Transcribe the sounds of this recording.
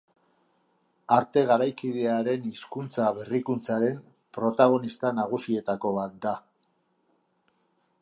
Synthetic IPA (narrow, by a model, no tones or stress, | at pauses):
aɾt̪e̞ɣaɾajkiðe̞aɾe̞niskunt͡saβe̞rikunt͡saɾe̞m | pɾo̞t̪aɣ̞o̞nist̪anaɣ̞usie̞t̪ako̞β̞at̪̚d̪a